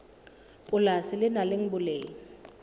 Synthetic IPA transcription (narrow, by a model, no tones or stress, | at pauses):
ʊlasɪlɪnalɪŋ̩bʊleːŋ̩